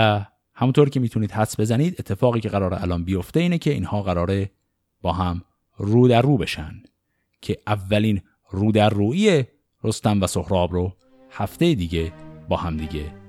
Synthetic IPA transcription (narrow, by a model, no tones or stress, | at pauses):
æ | hæmunt̪ʰoɾcʰe̞miːt̪ʰuniːd̪̥hæsbe̞zæniːd̪e̞t̪ʰːe̞fɒːɣiːcʰe̞ɣæɾɒːɾeʔælɒːnbijo̞ft̪e̞iːnecʰe̞ḭnhɒːɣæɾɒːɾe | b̥ɒːɦæm | ruːd̪æɾːuːbe̞ʃænd̪̥ | cʰe̞ʔævːæliːn | ruːd̪æɾːuːije | ɾost̪æmvæso̞hɾɒːbɾo | hæft̪e̞jed̪iːɟe̞bɒːhæmd̪iːɟe̞